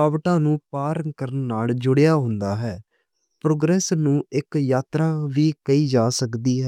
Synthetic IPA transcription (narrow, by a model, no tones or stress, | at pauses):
aːʋʈãːnũːpaːɾəŋkəɾənːaːld͡ʒʊɽejaːɦʊnd̪aːɦɛː | pɾoːɡɾɛːsnũːɪkjaːt̪ɾãːʋiːkəiːd͡ʒaːsəkd̪iːɦɛː